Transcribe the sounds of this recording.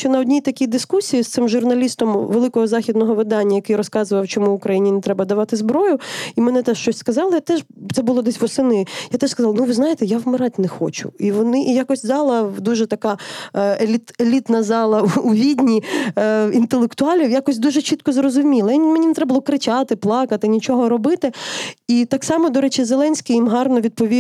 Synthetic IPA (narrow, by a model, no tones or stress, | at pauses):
t͡ʃɔnɐɔdʲnʲit̪ɐkʲid̪ɪskusʲijist̪sɪmʒʊrnɐlʲist̪ɔmʋelˠɪkɔɦɔzɑxʲid̪nɔɦɔʋɪd̪ɑnʲːɐjɐkɪjrɔskɑzɨʋɐwt͡ʃɔmuʊkɾɐjinʲinɛt̪ɾɛbɐd̪ɐʋɑt̪ɪzbɾɔjʊimɛnɛt̪ɛʃt͡ʃɔsʲskɐzɑlˠɪjat̪ɛʒ | t̪sɛbʊlˠɔd̪ɛsʲʋɔsɪnɪjat̪ɛʃskɐzɑlˠɐnuʋɪznɑjet̪ɛjawmɪɾɑt̚ʲnɛxɔ̰t͡ʃʊ̰iʋɔnɪʔjakɔsʲzɑlˠɐd̪uʒɛt̪ɐkɑelʲit̪elʲit̪nɐzɑlˠɐuʋʲidʲnʲi | int̪elˠekt̪ʊɑlʲijakɔsʲd̪uʒɛt͡ʃit̪̚kɔzrɔzʊmʲilˠɐnmenʲinɛt̪ɾɛbɐlˠɔkɾɪt͡ʃɑt̪ɪplˠɑkɐt̪ɪnʲit͡ʃɔɦɔɾɔbɪt̪ɪit̪ɑksɑmɔd̪ɔɾɛt͡ʃizelˠɛnʲsʲkʲijimɦɑrnɔʋʲid̪̚pɔʋʲi